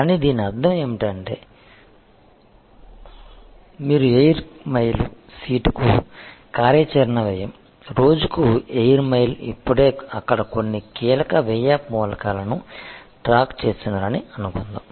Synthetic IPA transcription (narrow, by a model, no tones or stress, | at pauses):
kaːnid̪iːniɐɾd̪ʱːɐmeːmiʈɐɳʈe̞ː | miːɾuejɐɾmɐjlṵsiːʈu̥kukaːɾjɐt͡ʃɐɾɐnɐʋɛjɐm | ɾo̞ːd͡ʒukuejɐɾmɐjlḭpːuɽe̞ːɐkːɐɽɐko̞nːikiːlɐkɐʋɛjaːpmɔːlɐkaːlɐnuʈɾaːkt͡ʃe̞ːsinaːɾɐniɐnukund̪aːm